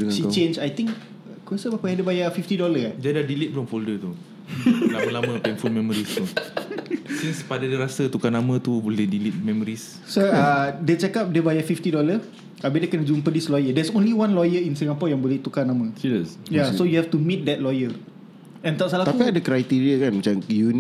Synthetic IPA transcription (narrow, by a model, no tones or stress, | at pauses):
ʃit͡ʃẽnd͡ʒajt̪ĩŋk | kuasəbakaadəbajafift̪idɔləd͡ʒadadilit̪̚bluŋfoldət̪u | lalamə̃pɛnfumɛmɔɾist̪u | siŋspadadiɾasət̪ukanamə̃t̪ubolɛhdilit̪̚mɛmɔɾis | soadɛt͡ʃɛkap̚dəbajafift̪idɔlə | abidekənəd͡ʒumpədislɔjədɛsõnliwãnlɔjəinsiŋapɔjaŋbolɛht̪ukanamə̃isjasojuhɛft̪umĩt̪̚dɛt̪̚lɔjə | ɛ̃nt̪aʔsalaht̪apiadəkɾajt̪iɾiakanmat͡ʃamjun